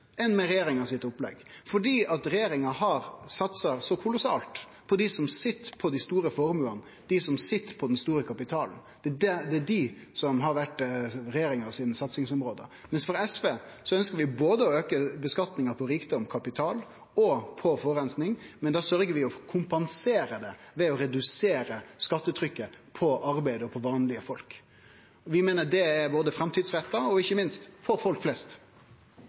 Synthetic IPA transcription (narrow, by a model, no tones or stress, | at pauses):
ɛnmɛɾɛjeːɾɪŋɑsɪt̪ːʊplɛ̰ɡfɔɖiːʔɑt̪ɾɛjeːɾɪŋɑɦɑɾsɑt̪sɑsɔkʰʊlʊsɑ̰ːlt̪ | pʰɔd̪ɪsɔmsɪt̪ːpʰɔd̪ɪst̪uːɾəfɔɾmʉːɑnə | d̪̥ɪsɔmsɪt̪ːpʰɔd̪ɛnst̪uːɾəkʰɑpɪt̪ʰɑːln̩d̪̥ɛdɛd̪ɛːɖɪsɔmɦɑɾʋæʈːɾɛjeːɾɪŋɑsiːd̪n̩sɑt̪sɪŋsɔmɾoːd̪ə̰mɛnsfɔɾɛsʋeːsɔœnskəɾʋɪboːd̪əɔøːkəbəskɑt̪nɪŋəpʰɔɾiːkd̪ɔmkʰɑpɪt̪ʰɑːl | ɔpʰɔfɔːɾɛnsnɪŋmɛnd̪ɑːsœɾɡəɾʋɪɔkʰʊmpɑnseːɾəd̪ɛʋɛɔɾɛd̪ʉseːɾəskɑt̪ːət̪ʰɾʏkːəpʰɔʔɑɾbæɪd̪əɔpʰɔʋɑːnlɪəfɔlk | ɔʋɪmeːnəɖɛæɾboːd̪əfɾɑmt̪ʰiːd̪sɾɛt̪ːɑɔɪçːəmɪnst̪pʰɔfɔlkflɛst̪